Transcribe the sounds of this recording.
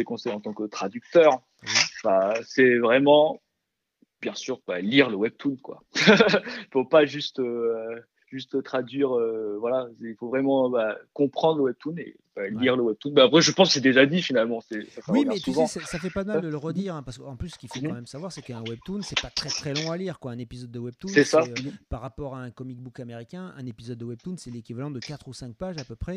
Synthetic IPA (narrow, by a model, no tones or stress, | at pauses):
ekɔ̃sɛjɑ̃t̪ɑ̃kət̪χad̪yk̚t̪œːʁ | fasɛvʁɛmɑ̃ | bjɛ̃syːʁbaliʁləwɛb̚t̪ʰunkwa̰ | ifopaʒyst̪ː | ʒ̥yst̪t̪χad̪ɥiʁøvwalasɛifovʁɛmɑ̃bakɔ̃pχɑ̃d̪ʁləwɛb̚t̪unḛ | b̥ɛliʁləwɛb̚t̪unbɛapχɛʒəpɑ̃skə̥sɛd̪eʒad̪ifinalmɑ̃sɛsasawimɛsuvɑ̃sɛsafɛpad̪əmad̪ələʁəd̪iʁɛ̃paʁsəkəɑ̃plysːə̥kʲifokɑ̃mɛmsavwaʁsɛkəɛ̃wɛb̚t̪unsɛpat̪χɛt̪χɛlɔ̃aliʁkwaɛ̃nepizɔd̪ːəwɛb̚t̪usɛsapaʁːapɔʁaɛ̃kɔmik̚bukameʁikʲɛ̃ɛ̃nepizɔd̪̚ːəwɛb̚t̪unsɛlekʲivalɑ̃d̪əkat̪χusɛ̃k̚paʒapøpχɛ